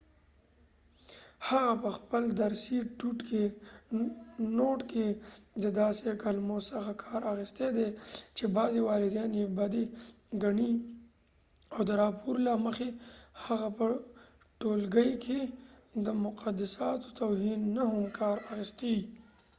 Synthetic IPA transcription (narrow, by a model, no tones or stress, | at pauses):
haɣapəxpəld̪aɾsiʈuʈke | noʈked̪əd̪ɑsekalmosəxakʰɑɾaxist̪ed̪et͡ʃebɑzewɑɾɪd̪ɑnjebad̪eɡaɳi | awd̪əɾɑpʰoɾlaməxehaɣapə | ʈolɡəjkʰe | d̪əmʊqʰad̪asɑt̪o̥t̪awhinːaɦʊmkʰɑɾaxist̪ei